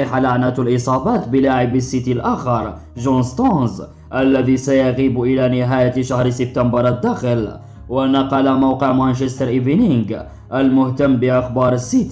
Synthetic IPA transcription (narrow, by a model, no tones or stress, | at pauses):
iħalaʕnat̪alʔɪsˤɑːbɑːt̪bəlaːʕɪbəsːit̪ilʔaːxɑɾˤ | ʒonst̪onz | ʔælːæðisajaɣiːbʔɪlanɪɦaːjaʃahɾsɪb̚t̪ambɑɾˤad̪ːaxəl | wanɑqɑlamawqəʕmanʃɪst̪ɑɾˤʔɪvɪnɪŋɡ | ʔalmʊht̪amːbɪʔɑxbɑːɾˤəsːit̪